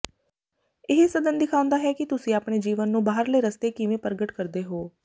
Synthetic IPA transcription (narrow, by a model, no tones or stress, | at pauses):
ɪɦsəd̪ənd̪ɪkʰaːʊ̃nd̪aːɦɛːkɪt̪ʊsĩːaːpɳeːd͡ʒiːʋənːũːbaːɦəɾləːɾəst̪eːkɪʋẽːpəɾɡəʈkəɾd̪eːɦoː